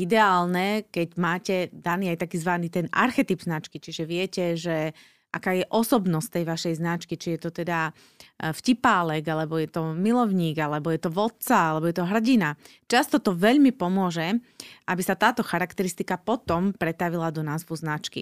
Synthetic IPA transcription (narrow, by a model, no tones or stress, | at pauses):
id̪ɛaːlnɛkɛɟmaːcɛd̪aniːajt̪akiːzʋaniːt̪ɛna̰ɾxɛt̪ibznat͡ʃkit͡ʃiʒɛʋɪɛcɛʒɛ | ʔa̰kaːjɛʔɔsɔbnɔst̪t̪ːɛjʋaʃɛjznat͡ʃkit͡ʃijɛt̪ɔt̪ɛd̪a | fcipaːlɛɡalɛbɔjɛt̪ɔmilɔʊɲiːɡalɛbɔjɛt̪ɔʋɔt̪̚t͡saalɛbɔjɛt̪ɔɦr̩ɟina | t͡ʃast̪ɔt̪ɔʋɛʎmipɔmʊɔʒɛ | ʔabisat̪aːt̪ɔxaɾakt̪ɛɾist̪ikapɔt̪ɔmpɾɛt̪aʋilad̪ɔnaːzʋuznat͡ʃkḭ